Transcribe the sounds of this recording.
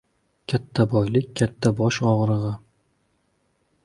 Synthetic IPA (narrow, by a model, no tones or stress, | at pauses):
kʲʰat̪ʰːabɒjlɪkʲkʰʲːat̪ʰːabɒʃɒʁɾɨʁɨ